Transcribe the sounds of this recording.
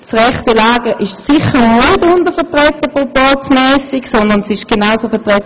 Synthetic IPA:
sʁɛχtəlaːɡəʔɪʃsɪχənutʊndəfɛətʁɛtəpopɔtmɛːsɪksɔndəʁnsɪʃɡ̥enaʊsofɛɐtʁɛt

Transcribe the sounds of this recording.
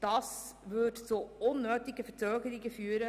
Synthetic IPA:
d̥ɑsʋʏʈsoːʊnːøːt̪ɪɡəfət͡søːɡəɾɪɡəfyːɾə

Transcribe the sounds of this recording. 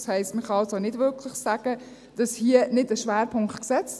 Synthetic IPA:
shɛɪstməχɑɑlsonɪdvʏkʰlɪχsæɡ̥ə | d̥ɑshiːənɪdəʃʋæːɾpʰʊŋktksɛt͡st

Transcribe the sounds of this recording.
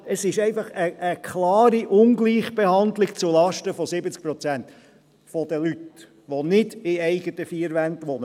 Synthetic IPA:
əsɪʃɛɪfɑχəʔəkʰχlɑːɾiʔʊnɡliːχb̥ehɑnd̪lɪkt͡sulɑʃtəfɔsɪbət͡sk̚pɾɔt͡sænt̪ | fɔd̥̪əlyt | ʋɔnɪdɪɛɪɡət̪əfiəɾʋænt̪ʋɔnə

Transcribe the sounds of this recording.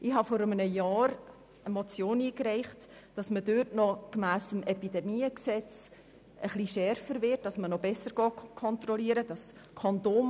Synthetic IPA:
ʔɪhɑfɔɾəmənəjɑːɾ | əmɔt͡sjoːniːkræɪχt | d̥ɑsmədøtnɔkmæːsəmɛpidɛmiːəksɛt͡s | əχliʃɛɾfəɾvɪt̚d̥ɑsmənɔbɛsəɾɡ̥ɑːkʰɔntɾɔliːəɾəd̥ɑs | kʰɔndoːm

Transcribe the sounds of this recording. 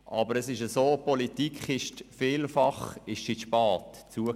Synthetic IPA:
ʔɑbəɾəsɪʃəsoːpɔlitikχɪʃtfiːlfɑχɪʃsitʃpɑːtt͡suə

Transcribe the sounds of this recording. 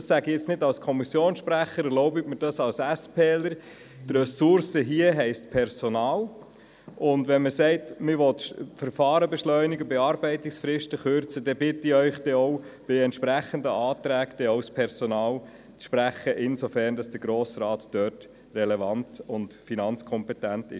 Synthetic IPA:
ɑsæɡijɛt͡snɪdɑlskʰɔmisjoːnsʃpɾæχəɾɛlɔʊbɪtməɾd̥ɑsɑlsæspʰeːləɾ | t̪rɛsʊɾsəɦiəɦɛɪstpʰɛɾsonɑːl | ʔʊndʋɛnməsɛɪtmɪɾʋɔt̪ʃfəɾfɑːɾəbɛʃlœʏniɡəbɛɑːɾbɛɪtɪksfɾɪʃtəχøɾt͡sədɛbɪtiœʏχd̥ɛɔʊb̥ɪɛntʃpɾæχəndəɑːtɾæːkd̪̥ɛɔʊspʰɛɾsonɑːl | t͡sʃpɾæχəʔɪnsofæɾnd̥ɑsd̥əɡɾoːsrɑːtd̥œːt | rɛlɛvɑntʊndfinɑnt͡skʰɔmpɛtæntɪ̰ʃ

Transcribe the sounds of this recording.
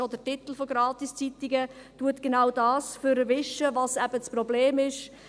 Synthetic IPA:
od̪ətit̪l̩foɡɾɑːt̪ist͡sit̪ɪɡə | tuətɡ̥enawdɑːsføɾəʋɪʃəvɑsæbət͡sprɔbleːmɪʃ

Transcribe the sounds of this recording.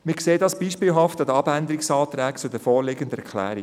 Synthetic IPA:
mɪkseːdɑsb̥iːʃpiːlɦɑftɑd̪əɑbænd̪əɾiksɑːt̪ɾæːkt͡sʊdəfɔːɾlɪɡəndəɛkʰlæ̰ːɾi

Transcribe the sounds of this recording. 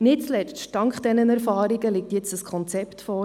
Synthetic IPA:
nɪtt͡slɛt͡stɑŋkχd̥ɛnənɛɾfɑːɾiɡəlɪk̚tjɛt͡səskʰɔnt͡sɛptfɔː

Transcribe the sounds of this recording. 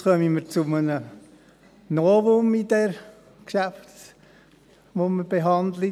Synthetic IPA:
χœmiməɾt͡sʊmənə | noːʋʊmidɛɾ | kʃæft | ʋoməb̥eɦɑnd̪li

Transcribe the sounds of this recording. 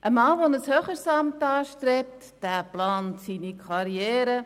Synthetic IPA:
ʔəmɑːʋonəshøχəɾsɑmtɑːʃtɾɛp̚td̥æːplaːntsiːnikʰɑɾjɛːɾə

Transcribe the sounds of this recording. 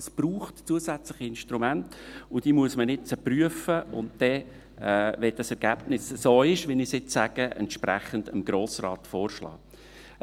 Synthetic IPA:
sb̥ruːχtt͡suəsæt͡slɪχiɪnʃtɾumæntʊd̥iːmuəsmənɪt͡səpryəfəʊ̰ntd̥ɛ | ʋɛd̥ɑsɛɾɡ̥æb̥nɪssoːɪʃʋɪnɪsɪt͡ssæɡ̥əʔɛ̰ntʃpɾɛχəndəmɡ̥ɾoːsrɑ̰ːtfoːrʃlɑ̰ː

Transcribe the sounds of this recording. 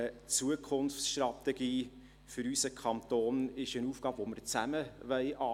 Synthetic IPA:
ət͡suəkʰχʊnft͡ssʃtrɑt̪ɛɡ̥iː | fʏɾysəkʰχɑnt̪oːnɪʃənuːfɡ̥ɑːbʋoməɾt͡sæməʋœɪʔɑː

